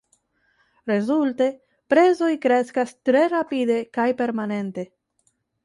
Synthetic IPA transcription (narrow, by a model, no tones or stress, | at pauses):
ɾe̞zulte̞ | pɾe̞zo̞jkɾe̞skastɾe̞ɾapid̪e̞kajpe̞ɾmane̞nte̞